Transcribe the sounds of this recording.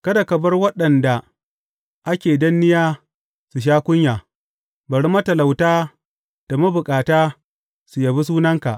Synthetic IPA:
kɐ˦da˨kɐ˨bɐ˦rwɐ˦ɗɐ˨nda˨ | ʔa˦kʲeː˨dɐ˦nːɪ˦jaː˦ | su˨ʃ̬aː˦kʷʊ˦ɲjaː˨ | bɐ˨ɽmɐ˦tɐ˨la˨wtaː˦ | d̥a˨ma˦bʊ˨kʼaː˨taː˦ | su˨ja˨bi˦s̬uː˦nɐ˦ŋka̰˨ʔ

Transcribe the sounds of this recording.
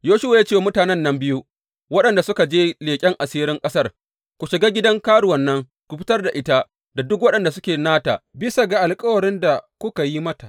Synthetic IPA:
joː˦ʃʊ˦wa˨ja˦t͡ʃeː˦wa˨mʊ˦taː˨nɛ˦nːɐ˦mbɪ˦ju˦ | wɐ˦ɗɐ˨nda˨sʊ˦ka˨d͡ʒeː˦leː˨kʲʼɛ˦ŋʔa˨siː˦ɾɪ˦ŋkʼɐ˦sɐ˦r | kʷu˨ʃɪ˨ɡaː˦ɡʲɪ˦dɐ˦ŋkaː˦ɽʊ˨wɐ˨nːɐ˦ŋ | kʷu˨ɸɪ˦tɐ˦rda˨ʔɪ˦ta˦ | da˨dʊ˦k̬wɐ˦ɗɐ˨nda˨sʊ˦kʲeː˨naː˦taː˨bɪ˦sa˨ɡa˨ʔa˨lkʼɐ˦wɐ˨ɽɪ˦nda˨kʷʊ˦ka˨ji˦mɐ˦ta˨ʔ

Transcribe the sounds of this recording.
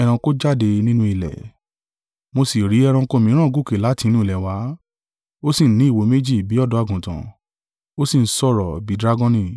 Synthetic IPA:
ɛ˧ɾ̃ã˧ko˦d͡ʒa˦˨de˧nĩ˦nũ˧i˨lɛ̰˨ | mo˧si˨ɾi˨˦ɛ˧ɾ̃ã˧ko˧˦˨mĩ˨˦ɾ̃ã˦˨ɡu˦˨ke˨la˨˦ti˧nũ˦i˨lɛ˨wa˨˦ | o˦si˦˨n̩˦nĩ˨˦i˦˨wo˧˦me˦d͡ʒi˦˨bi˨˦ɔ˦˨dɔ˨˧˦a˧˨ɡũ˨tã̰˨ | o˦sĩ˦˨n̩˦sɔ˦˨ɾɔ˨bi˨˦dɾa˦ɡɔ̃˦nĩ˧˨

